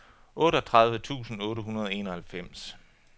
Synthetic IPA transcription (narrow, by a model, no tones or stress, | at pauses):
ʔɔ̽ːɾəɒt͡sʰʁɑ̈ð̞ˠʋət͡sʰṵːsn̩ɔ̽ːɾəɦunɐð̞ˠɒe̝ːnɒ̽hælfem̰s